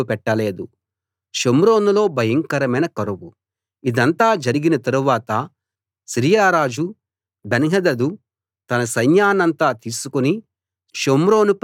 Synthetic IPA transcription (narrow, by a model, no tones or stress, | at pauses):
pɛʈːɐle̞ːd̪u | ʃomɾo̞ːnulo̞ːbʱɐjɐŋkɐɾɐmɐjnɐkɐɾuwu | id̪ɐnt̪aːd͡ʒɐɾiɡinɐt̪ɐɾuʋaːt̪ɐ | siɾijaːɾaːd͡ʒu | benɦɐd̪ɐd̪u | t̪ɐnɐsɐjnjaːnɐnt̪aːt̪iːsukuni | ʃomɾo̞ːnup